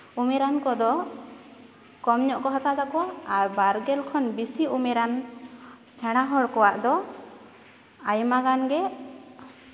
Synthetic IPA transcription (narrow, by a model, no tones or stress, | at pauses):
umɛɾankɔd̪ɔ | kɔmɲɔʔkɔɦɔt̪ad̪akɔwaːɾbaɾɡɛlkʰɔnbisiumɛɾan | sɛɽ̃aɦɔɽkɔwaʔd̪ɔ | ajmaɡanɡɛ